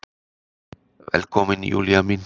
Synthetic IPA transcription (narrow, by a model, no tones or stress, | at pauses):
væ̰lkominjṵljamin